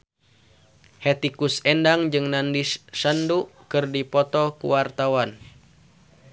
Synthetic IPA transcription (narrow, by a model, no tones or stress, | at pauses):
hɛt̪ikusɛndaŋd͡ʒɨŋnandisandukɨrdipɔt̪ɔkṵwart̪awan